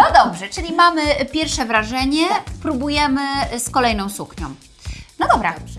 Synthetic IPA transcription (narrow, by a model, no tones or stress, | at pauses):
ɔd̪ɔbʐɛt͡ʂɘlʲimamɘpʲjɛɾfʂɛvɾaʐɛɲɛpɾubujɛmɘskɔlɛjn̪ɔ̃w̃sukɲɔ̰̃m | nɔd̪ɔbɾa